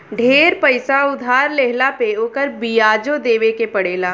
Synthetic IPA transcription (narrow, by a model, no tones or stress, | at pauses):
ɖʱeːɾpəɪsaʊd̪ʱaːɾleɦlapeoːkəɾbijaːd͡ʒod̪eːʋekepɐɽeːlaː